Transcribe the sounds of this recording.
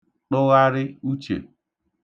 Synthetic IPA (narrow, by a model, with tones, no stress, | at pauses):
ɗʊ˦ɣa˦ɾɪ˦u˦t͡ʃḛ˨